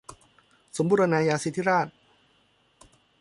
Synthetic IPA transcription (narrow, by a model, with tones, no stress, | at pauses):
so˩˦mbu˧ɾa˧naː˧jaː˧si˧˩t̪ʰi˦˥ɾaː˥˩t̪̚